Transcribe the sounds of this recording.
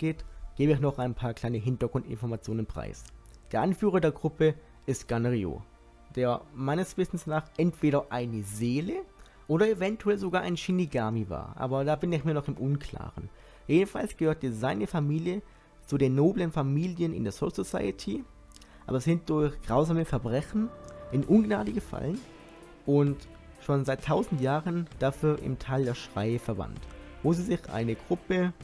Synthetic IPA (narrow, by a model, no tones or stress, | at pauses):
ɡ̥eːtɡ̥eːbəɪçnɔχaɪnpʰaːɐkl̥aɪnəɦɪntɐɡʁʊntɪ̰nfɔɐmat͡sjoːnənpʁ̥a̰ɪsd̥eːɐʔanfyːʁɐdeːɐɡʁʊpʰə | ɪstɡ̥anʁio̰ː | d̥eːɐmaɪnəsv̥ɪsn̩snaːχʔɛntv̥eːɾɐʔaɪnəzeːlə | ʔoːɾɐevɛntʰuɛlzoɡaːɐʔa̰ɪnʃiniɡaːmiva̰ːɐʔa̰ːbɐdaːbɪnɪçmiːɐnɔχɪmʔʊnkl̥a̰ːʁən | jeːdn̩fa̰lsɡ̥əhøːɐt̚d̥iːɐzaɪnəfamiːljə | t͡sudeːnːoːblənfamiːljənɪ̰ndeːɐzososa̰ɪətʰi | ʔa̰ːbɐsz̥ɪnt̚d̥ʊɐçɡ̥ʁaʊzaːməfɛɐbʁɛçn̩ʔɪnʔʊnɡna̰ːdəɡəfa̰lən | ʔʊnt | ʃoːnzaɪtʰːaʊzn̩tjaːʁənd̥afyːɐʔɪ̰mtʰaːldeːɐʃʁ̥a̰ɪəfɛɐva̰ntvoːziːzɪçʔa̰ɪnəɡʁʊpə